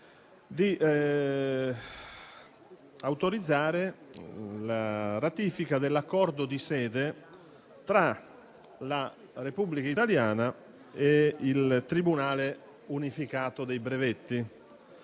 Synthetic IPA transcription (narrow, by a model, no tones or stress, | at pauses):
d̪iʔ | awt̪oɾid̪zːaːɾe | laɾat̪iːfikad̪elːakːɔrd̪od̪isɛːd̪e | t̪ɾa | la | republikait̪aljaːna | eilt̪ɾibunaːle | unifikaːt̪od̪ejbɾevet̪ːi